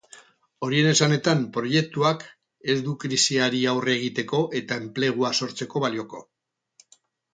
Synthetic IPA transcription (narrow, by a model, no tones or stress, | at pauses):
o̞ɾie̞ne̞sane̞t̪ampɾo̞je̞k̚t̪uak | e̞zd̪ukɾisiaɾiawreːɣ̞it̪e̞ko̞ʔe̞t̪ae̞mple̞ɣ̞uaso̞ɾt͡se̞ko̞βalio̞ko̞